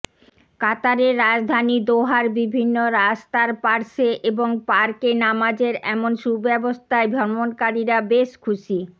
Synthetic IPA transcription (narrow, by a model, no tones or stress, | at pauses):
kat̪aɾeɾːad͡ʑd̪ʱanid̪oɦaɾbibʱinːoɾast̪aɾpaɾʃeʔeboŋpaɾkenamad͡ʑeɾɛmonʃubɛbost̪ʰaebʱɔɾmonkaɾiɾabeʃkʰuʃi